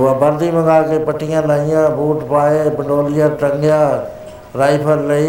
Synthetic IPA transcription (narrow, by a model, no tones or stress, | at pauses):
abəɾd̪imə̃ŋɡaːkepəʈʰɪjãːlaijãbʱuːʈpaːepɪɳɖoːlɪjãʈəŋɡjãː | ɾaːipʰəɾlɐi